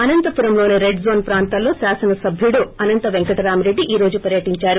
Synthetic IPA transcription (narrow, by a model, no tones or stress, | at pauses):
ɐnɐnt̪ɐpuɾɐmlo̞ːneɾeɖzo̞ːnpɾaːnt̪ɐlːo̞ːsaːsɐnɐsɐbʱjuɽuɐnɐnt̪ɐʋeŋkɐʈɐɾaːmiɾe̞ɖːiʔiːɾo̞ːd͡ʒupɐɾjɐʈiɲt͡ʃaːɾu